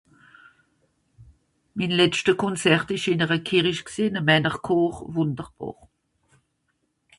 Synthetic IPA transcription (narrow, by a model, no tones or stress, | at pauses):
minlɛt͡stəkʰɔnt͡sɛʁtɪʃɪnəʁəkʰiʁiʃksiːnəmɛnəʁkʰoːχvʊndəʁb̥ɔ̰ːʁ